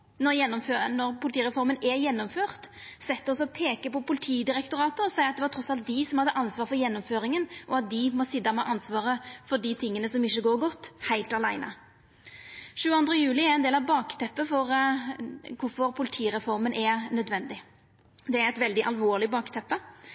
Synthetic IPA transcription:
nɔɾjɛnːɔmføːnɔɾpʰʊlɪt̪iːɾɛfɔɾmənɛɾjɛnːɔmføːʁt̪sɛt̪ːəɔsɔpʰeːkəpɔpʊlɪt̪ʰiːd̪ɪɾɛkt̪ʊɾɑːt̪əɔsæɪɑt̪d̪ɛʋɑt̪ʰɾɔsːɑlt̪̚d̪ɪsɔmhɑd̪ːəʔɑnsʋɑːɾfɔɾjɛnːɔmføːɾɪŋənʔɔɑt̪̚d̪ɪmɔsɪd̪ɑmɛʔɑnsʋɑːɾəfɔɖ̪it̪ʰɪŋːənəsɔmɪçːəɡoːɾɡɔt̪ːhæɪlt̪ɑlæɪnʔə̰ | ʃʉːɑnd̪ʁəjʉːlɪæɾɛnd̪eːlɑʋbɑːkt̪ʰɛpːəfɔɾ | kʰʊɾfɔɾpʰʊlɪt̪ʰiːɾɛfɔɾmənʔɛnœd̪ʋɛnd̪ɪ | d̪ɛæɾɛɪt̪ʋɛld̪ɪʔɑlʋoːʁlɪbɑːkt̪ʰɛpːə

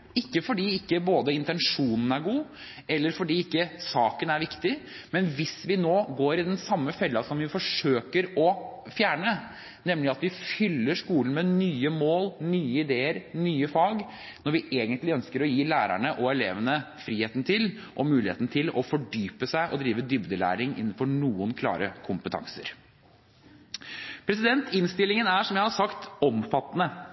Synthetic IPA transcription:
ɪkːəfɔɖiːɪkːəboːd̪əɪnt̪ɛnʂuːnn̩æɾɡuː | ɛlːəɾfɔɖiːɪkːəsɑːkənæɾʋɪkt̪ɪ | mɛnʋɪsʋɪnoːɡoːɾɪd̪ɛnsɑmːəfɛlːɑsɔmʋɪfɔʂøːkəɾɔ | fjæːɳə | nɛmlɪɑt̪ʋɪfʏlːəʂkuːln̩mɛnyːəmoːlnyːəɪd̪eːəɾnyːəfɑːɡ | nɔɾʋɪʔeːɡənt̪lɪœnskəɾɔjiːlæːɾæ̰ɳəʔɔɛleːʋənəfɾiːheːt̪nt̪ʰɪl | ʔɔmʉːlɪḛːt̪nət̪ʰɪlɔfɔɖyːpəsæɪʔɔd̪ɾiːʋəd̪ʏbd̪əlæ̰ːɾɪŋɪ̰nːn̩fɔɾɳuːənkʰlɑ̰ːɾəkʰʊmpət̪ʰɑ̰ŋsə̰ɾ | pʰɾɛsɪd̪ɛnt̪ɪnst̪ɪlːɪŋənæʂɔmjæɪhɑʂɑkt̪ɔmfɑt̪ːnə

